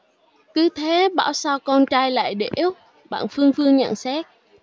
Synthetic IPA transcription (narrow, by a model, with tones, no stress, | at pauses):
kɨ˨˦t̪ʰe˨˦ɓa̰ː˧˩wsaː˧wkɔ˧nt͡ɕaː˧jla̰ː˧˨jɗe˧˩ʔ | ɓa̰ː˧˨nfɨ˧əŋvɨ˧əŋɲə̰˧˨nsɛ˦˥k̚